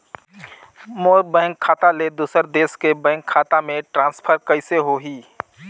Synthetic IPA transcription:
moːɾbɛ̃ːŋkʰːaːt̪aled̪uːsəɾd̪eːskebɛ̃ːŋkʰaːt̪amẽʈɾãːnspʰəɾkəɪseɦoɦiː

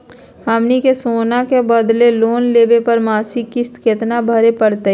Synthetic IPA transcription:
həmnikesoːnakebɐd̪leloːnleːbepɐɾmaːsikːɪst̪ket̪nabʱəɾepəɽt̪e

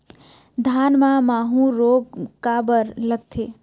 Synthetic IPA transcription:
d̪ʱaːnmãmaːɦũɾoːɡkabəɾləɡ̚t̪ʰeː

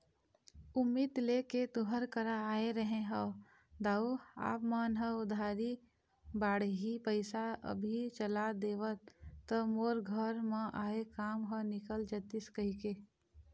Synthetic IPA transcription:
ʊmːid̪leket̪ʊɦəɾkəɾaːeɾəɦẽɦə | d̪aːua̰ːpmaːnɦəʊd̪ʱaːɾi | baːɽɦipəɪsaə̰bʱit͡ʃəlad̪eːʋət̪ːəmoːɾɡʱəɾmãʔaːekaːmɦənɪkəld͡ʒət̪ɪskəɦike

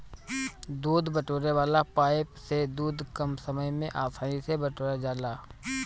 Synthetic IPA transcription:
d̪uːd̪bəʈoːɾeʋaːlapaːɪpsed̪uːd̪kɐmsəməjmẽʔaːsʰaːĩsebɐʈoːɾed͡ʒaːlaː

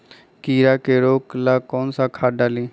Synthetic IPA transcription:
kiːɾaːkeːɾoːklaːkoːnsaːkʰaːɖaːlĩː

